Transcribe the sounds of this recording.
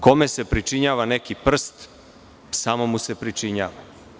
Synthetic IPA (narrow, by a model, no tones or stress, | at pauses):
ko̞me̞se̞pɾit͡ʃiɲaːʋane̞kipr̩st̪ | samo̞muse̞pɾit͡ʃiɲaːʋa